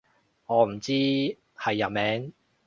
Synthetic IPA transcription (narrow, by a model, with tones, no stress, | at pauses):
ŋɔː˨˧m̩˨˩t͡siː˥ | hɐ˨jːɐ˨mɛː˨˥ŋ